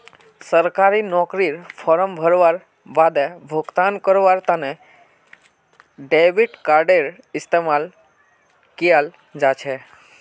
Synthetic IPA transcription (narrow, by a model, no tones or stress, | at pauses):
səɾkaɾinɔkɾiɾpʰɔɾəmbʱəɾʋaɾ | bad̪ɛbʱoɡt̪ankəɾʋaɾt̪anɛ | ɖeʋiʈkaɾɖeɾ | ɪst̪emal | kijal | d͡ʒat͡ʃʰɛ